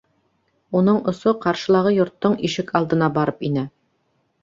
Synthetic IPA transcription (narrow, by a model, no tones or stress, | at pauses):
unɤɴŏsoqɑɾʃɤ̆lˠɑʁɤjŏɾt̪ːɤɴiʃɘkɑlˠd̪ɤ̆nɑbɑɾɤpinɘ